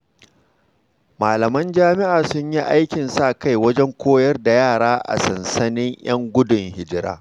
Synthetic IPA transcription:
maː˨lɐ˨mɐ˦nd͡ʒaː˦mɪ˦ʔaː˨sʊ˦ɲji˦ʔa˦jkʲɪ˨nsa˦˨ka˦jwɐ˦d͡ʒɛ˦ŋkʷʰoː˦jɐ˦rda˨jaː˦˨ɽaː˦ʔa̰˨sɐ˨nsɐ˦nɪ˦ɲj̰ɐ˦ŋɡʷʊ˦dʊ˨ŋhɪ˦d͡ʒɪ˦ɾa̰ː˦

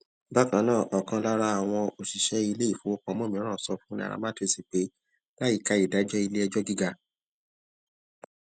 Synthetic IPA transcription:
ba˦kã˨˦nãː˦˨ʔɔ˨kã˧la˦ɾa˦a˨w̃ɔ̃˧o˨ʃi˨ʃɛ˦i˧le˦i˦˨fo˨˦o˦k͡pɔ̃˨˧˦mɔ̃˦mĩ˦ã˦˨sɔ˧fũ˦nĩ˧a̰˨ɾa̰˧ma˦te˦˨si˨k͡pe˨˦ | la˦i˦˨ka˧˦i˨da˨˦d͡ʒɛ˦i˧le˦ɛ˧d͡ʒɔ˦ɡi˦ɡa˧

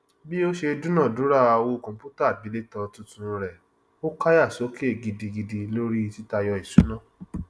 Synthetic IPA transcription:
bi˦o˦ʃe˧du˦nã˦˨du˨˦ɾa˦˨a˧wo˧kɔ̃˨m˨pu˦ta˦˨bi˨˦le˦tɔ˧tũ˧tũ˧ɾɛ˨ | o˦ka˦ja˦˨so˨˦ke˦˨ɡi˧di˧ɡi˧di˧lo˦ɾi˦ti˦ta˧jɔ˧i˨su˨˦nã˦˨

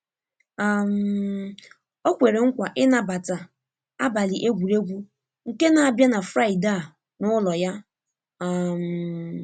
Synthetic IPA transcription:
a˨m̩˨ | o˦kʷe˨ɾe˨ŋ̩˦kʷa˨ʔɪ˦na˨ba˨ta˨ | a˦ba˨lɪ˨ʔe˦ɡʷu˨ɾe˦ɡʷu˦ | ŋ̩˨ke˦na˨a˨bja˦na˨fɾa˦˨i˨da˦˨ | nʊ˦lɔ˨ja˦ | a˨m̩˨

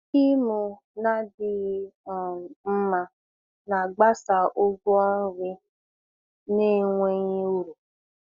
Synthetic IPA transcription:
i˦mu˨ | na˦dɪ˦ɣi˦ɔ˨m̩˦ma˦ | na˨ɡ͡ba˦sa˨ʔo˦ɡu˦a˦ɾɪ˦ | ne˦˨ŋʷe˦ɲe˦o˦ɾu˨

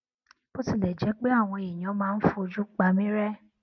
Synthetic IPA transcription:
bo˦ti˦˨lɛ˨d͡ʒɛ˨˦k͡pe˦a˦˨w̃ɔ̃˧e˨j̃ã˨˦mãː˦˧n̩˦fu˧o˧d͡ʒu˦k͡pa˧mĩ˦ɾɛ˦

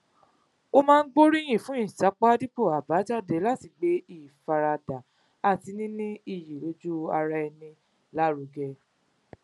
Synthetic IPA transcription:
o˦mãː˦n̩˦ɡ͡bo˦ɾi˦j̃ĩ˦˨fũ˨˦ĩ˦˨sa˨˦k͡pa˦di˦po˦˨a˨ba˨˦d͡ʒa˦˨de˨˦la˦˨ti˧ɡ͡be˨˦i˦˨fa˧ɾa˧da˨ | a˦˨ti˧nĩ˦nĩ˦i˦˨ji˨lo˨˦d͡ʒu˦a˧ɾa˧ɛ˧nĩ˧ | la˦ɾu˧˦ɡɛ˧

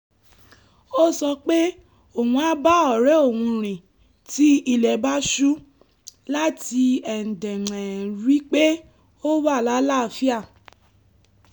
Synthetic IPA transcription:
o˦sɔ˧k͡pe˦ | o˨wũ˧a˦ba˦ɔ˨ɾɛ˨˦o˦˨wũ˧ɾ̃ĩ˨ | ti˦i˦˨lɛ˨ba˦ʃu˦ | la˦ti˧ɛ˨n̩˨dɛ̃˨ŋɛ̃˨ɾi˨˦k͡pe˦ | o˦wa˦˨la˨˦la˦˨˧fi˦a˦˨

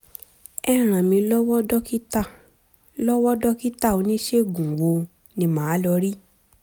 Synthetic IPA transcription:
ɛ˦˧ɾ̃ã˨mĩ˧lɔ˦wɔ˦dɔ˦ki˦ta˦˨ | lɔ˦wɔ˦dɔ˦ki˦ta˦˨o˨˧˦nĩ˦ʃe˦˨ɡũ˨ɡ͡bo˧ | nĩ˧mãː˨˦lɔ˧ɾi˦

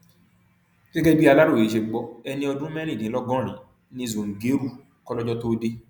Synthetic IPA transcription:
ɡ̥ɛ˦ɡɛ˦bi˦a˧la˦ɾo˦˨e˨ʃe˧ɡ͡bɔ˧ɛ˧nĩ˧ɔ˧dũ˦mɛ˦ɾĩ˦˨dĩ˨˦lɔ˦ɡɔ̃˦˨ɾ̃ĩ˨˦ | nĩ˧˨zũ˨ŋ̩˨ɡe˨˦ɾu˦˨ | kɔ˦lɔ˦d͡ʒɔ˧˦to˦de˧

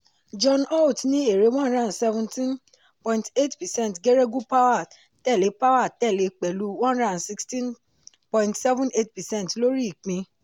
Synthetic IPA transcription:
d͡ʒɔ̃˧nɔ˦˨tnĩ˦e˨ɾe˨˧˦w̃ã˦nɾã˦˨sɛ˧vɛ̃˧ntĩ˦n | pɔ̃˨ĩnte˦˨tpɛ˨sɛ̃˦˨n˨tɡe˦ɾe˦ɡu˦pa˦wa˦˨ | tɛ˦˨le˨˦pa˦wa˦˨tɛ˦˨le˨˧k͡pɛ˨lu˨˦wã˦nɾã˦˨si˧kstĩ˦n | pɔ̃˨ĩntsɛ˦vũ˦ne˦tpɛ˨sɛ̃˦ntlo˦ɾi˦i˨k͡pĩ˧

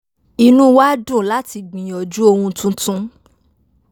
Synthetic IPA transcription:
i˧nũ˦wa˦dũ˦˨la˦ti˧ɡ͡bĩ˨j̃ɔ˨d͡ʒu˦o˧hũ˧tũ˦tũ˦

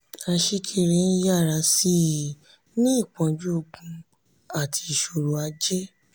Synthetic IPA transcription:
a˧ʃi˧kʰi˧ɾẽ˧˦ja˦˨ɾa˧si˦i˨ | nĩ˦i˦˨k͡pɔ̃˨˧d͡ʒu˦o˧ɡũ˧ | a˦˨tʰi˧˨ʃo˧ɾo˧a˧d͡ʒe˦

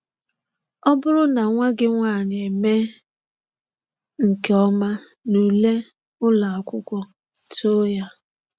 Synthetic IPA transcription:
ɔ˦bʊ˦ɾʊ˦na˨ŋʷa˦ɡɪ˦ŋʷaː˦˨ne˨me˦ | ŋ̩˨ke˨˦ɔ˦ma˦ | nu˨le˦ | ʊ˦la˨a˨kʷʊ˦kʷɔ˦˨ | to˦ja˦

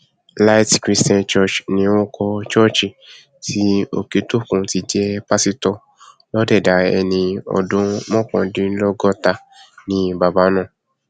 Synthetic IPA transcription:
la˦i˦tkɾi˦stã˧nt͡ʃɔ˦˨t͡ʃnĩ˧õ˦kɔ˧t͡ʃɔ˦t͡ʃi˨ | tʰi˦o̰˨ke˨˦to˦˨kũ˧ti˧d͡ʒɛ˦pa˦si˦tɔ˧ | lɔ˦dɛ˦˨da˨ɛ˧nĩ˧ɔ̰˨dũ˨˦mɔ̃˦˨kɔ̰̃˧dĩ˦n̩˦lɔ˦ɡɔ˦ta˧ | nĩ˦ba˨ba˨˦nã˦˨

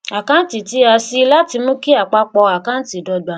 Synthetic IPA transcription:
a˨kã˦n˦ti˨ti˨˦a˧si˦la˦ti˧mũ˦ki˦a˦˨k͡pa˧˦k͡pɔ˧a˨kã˦n̩˦ti˨dɔ˧da˨˧˦

